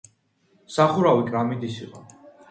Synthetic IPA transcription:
saχuɾawikʼɾamid̪isiqʼɔ

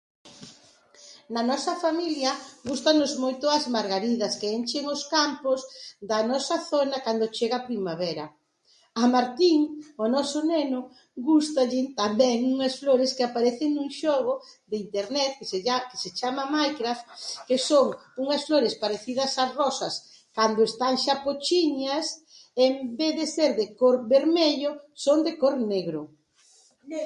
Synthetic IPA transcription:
nɐnɔsɐfamiljɐɡust̪anʊzmojt̪ʊɐzmaɾɣaɾiðɐskeent͡ʃeŋoskampʊzd̪ɐnɔsɐθonɐkand̪ot͡ʃeɣɐpɾimaβɛɾɐ̰ | ɐmaɾt̪iŋonɔsʊnɛnʊ | ɡust̪aʎɪt̪ambɛŋuŋɐsfloɾɪskɪapaɾɛθeŋnũŋʃɔɣod̪eint̪eɾnɛt̪̚kesake̥set͡ʃamɐmajkɾaft̪kesoŋuŋɐsfloɾespaɾeθiðɐsarɔsɐs | kand̪ʊest̪aŋʃapot͡ʃiɲɐs | embeθðeseɾðekoɾβeɾmeʎosoŋd̪ekoɾneɣɾʊ

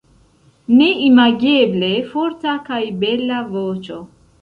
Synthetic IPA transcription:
ne̞imaɡeble̞foɾtakajbe̞lavot͡ʃo̞

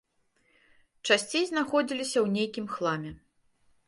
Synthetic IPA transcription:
t͡ʂasʲt͡sʲejznaxɔd͡zʲilʲisʲɐwnʲejkʲimxlˠamʲɛ

